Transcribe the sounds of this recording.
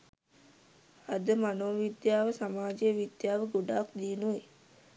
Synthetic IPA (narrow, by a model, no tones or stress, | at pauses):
ad̪əmanoːʋid̪jaːʋəsamaːd͡ʒejəʋid̪jaːʋəɡoɖaːkd̪iːnuʋe